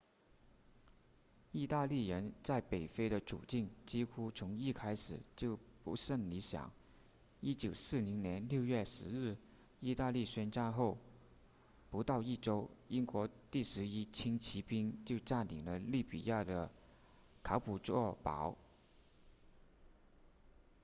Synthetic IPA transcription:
i˥˧t̪a˥˧li˥˩ɻə˧˥nt͡sa˥˩ɪpe˨˩ɪfe˥ɪɾə˧˨ʈ͡ʂṵ˨˩t͡ɕi˥˩ŋt͡ɕi˥xu˥t͡sʰʊ˧˥ŋi˥˧kʰa˥ɪʂɻ̩˨˩t͡ɕjo˥˩ʊpu˧˥ʂə˥˩nli˧˥ɕjɑ̰˨˩˦ŋ | i˥t͡ɕjo˨˩ʊsɹ̩˥˩li˧˥ŋnjɛ˧˥nljo˥˧ʊɥɛ˥˩ʂɻ̩˧˥ɻɻ̩˥˩ | i˥˧t̪a˥˧li˥˩ɕɛ˥nt͡ɕa˥˧nxo˥˩ʊ | pu˧˥t̪ɑ˥˧ʊi˥˩ʈ͡ʂo˥ʊi˥ŋkwɔ˧˥t̪i˥˩ʂɻ̩˧˥i˥t͡ɕʰi˥ŋt͡ɕʰi˧˥pi˥ŋt͡ɕjo˥˧ʊʈ͡ʂa˥˩nt̪i˨˩ŋlə˦li˥˩pḭ˨˩ja˥˩d̪ə˩ | kʰɑ˧˥ʊpu˨˩t͡swɔ˥˩pɑ̰˧˥ʊ

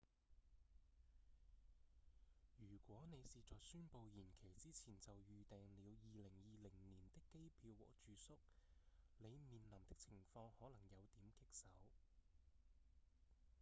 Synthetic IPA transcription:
jyː˨˩kʷɔː˨˥ne˨˧jsiː˨t͡sɔː˨ksyː˥npo˧wjiː˨˩nkʰe˨˩jt͡siː˥t͡sʰiː˨˩nt͡sɐ˨wjyː˨˧t̪ɛː˨ŋliː˨˧wjiː˨lɪ˨˩ŋjiː˨lɪ˨˩ŋniː˨˩nt̪ɪ˥kːe˥jpʰiː˧wwɔ̰ː˨˩k̚t͡ʃyː˨˧sʊ˥k̚ne˨˧jmiː˨nlɐ˨˩mt̪ɪ˥k̚t͡sʰɪ˨˩ŋfɔː˧ŋhɔː˨˥lɐ˨˩ŋjɐ˨˧wt̪iː˨˥mkɪ˥k̚sɐ˨˥w

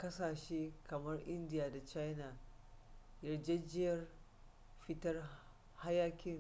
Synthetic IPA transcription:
kɐ˦saː˨ʃeː˦kɐ˨mɐ˦rʔɪ˦ndɪ˨jaː˨da˨t͡ʃa˦jna˨ | jɐ˨rd͡ʒe˦d͡ʒɪ˦jɐ˦r | ɸɪ˦tɐ˦r | ha˦jaː˦kʲɪ˦ŋ

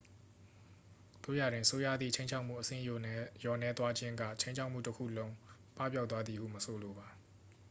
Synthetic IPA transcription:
t̪o̰˦˨ja˨dwɪ̃˨əso˦ja̰˦˨d̪ðḭ˦˨t͡ɕʰẽ˦ɪ̃ɲt͡ɕʰa˦ʊʔm̥ṵ˦˨ʔəsɪ̰̃˦˨jjɔ˨nɛ˦t̪wa˦d͡ʑɪ̃˦ŋɡä̰˦˨t͡ɕʰẽ˦ɲt͡ɕʰa˦ʊm̥ṵ˦˨təkʰṵ˦˨lõ˦ʊ̃ | pa̰˦˨pjʊt̪ːwa˦d̪ði˨hṵ˦˨məsʰo˨lo˨ba˨

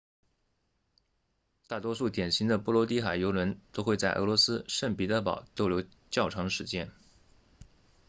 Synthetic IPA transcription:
t̪a˥˩t̪wɔ˥ʂu˥˩t̪jɛ˨˩nɕi˧˥ŋd̪ə˧pɔ˥˩lwɔ˧˥t̪i˥xa˨˩ɪjo˧˥ʊlwə˧˥nt̪o˥ʊxwe˥˧ɪt͡sa˥˩ɪʔɤ̰˧˥lwɔ˧˥sɹ̩˥ʂə˥˩npi˨˧˥t̪ə˧˥pɑ̰˨˩˦ʊt̪o˥˧ʊljo˧˥ʊ | t͡ɕjɑ˥˩ʊʈ͡ʂʰɑ˧˥ŋə˧ʂɻ̩˧˥t͡ɕjɛ˥n

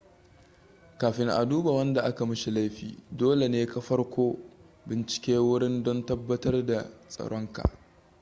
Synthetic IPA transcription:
kaː˨ɸɪ˨ŋʔa̰˨duː˦ba˨wɐ˦nda˨ʔa˦ka˨mɪ˦ʃi˨la˦jɸḭː˨doː˦le˨neː˦ka˦ɸɐ˦rkʷoː˦ | bɪ˨nt͡ʃɪ̥˨kʲeː˦wʊ˦ɽɪ˦ndɔ˦ntɐ˦bːɐ˦tɐ˦rda˨sʼɐ̰˨ɽɔ˦ŋka̰˨ʔ

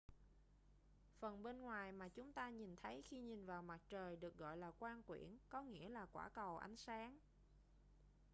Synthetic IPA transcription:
fə˨˩nɓe˧nŋwaː˨˩jmaː˨˩t͡ɕʊ˨˦ŋ͡mt̪aː˧ɲi˨˩nt̪ʰə˨˦jxi˧ɲi˨˩nvaː˨˩wma˨˩t̚t͡ɕəː˨˩jɗɨ˨˩ək̚ɣɔ̰˧˨jlaː˨˩kwaː˧nkwḭ˧˩ənkɔ˨˦ŋḭ˧˥əlaː˨˩kwa̰ː˧˩kə˨˩wʔa̰˨˦jŋ̟saː˨˦ŋ

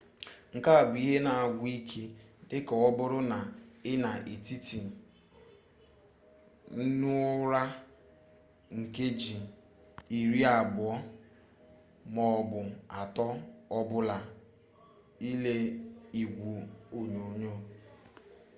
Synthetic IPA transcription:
ŋ̩˨ka˦a˨bʊ˨˦i˦ɦe˦na˨a˨ɡʷi˦kʰe˦ | dɪ˦ka˨ɔ˦bʊ˦ɾʊ˦na˨ɪ˦na˨ʔe˨ti˦ti˨ | n̩˦nʊ˦ɾa˦ | ŋ̩˨ke˦d͡ʒi˨ | i˨ɾi˦a˨bʊ˨ɔ˦ | mɔ˨bʊ˨a˨tɔ˦ɔ˦bʊ˦la˨ | i˦le˦i˨ɡʷu˨o˦ɲo˨ɲo˦˨

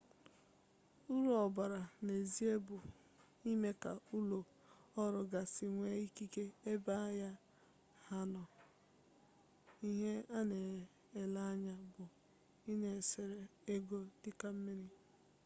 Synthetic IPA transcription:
u˦ɾo˦ɔ˨ba˨ɾa˨ne˨zi˦e˦bʊ˨ | i˦me˦ka̰˨u˦lo˨ | ɔ˦ɾʊ˨ɡa˨si˨ŋʷe˦i˦ki˦ke˦e˦ba˦ja˦ | ha˦nɔ˨ | i˦ɦe˦a˦ne˨ | e˨la˦ɲa˦bʊ˨ | i˦ne˨sɪ˨ɾe˨e˦ɡo˦dɪ˦ka˦m̩˦mi˦ɾi˦

